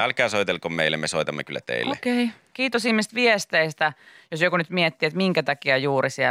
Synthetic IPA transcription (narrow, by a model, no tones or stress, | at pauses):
ælkæːsoit̪elkommeilːemesoit̪ɑmːḛkylːæt̪ḛilːekei | kiːt̪osihmːist̪ʋiest̪eist̪æjosjokunyt̪miet̪ːiet̪miŋkæt̪ɑkiɑjuːrisiæ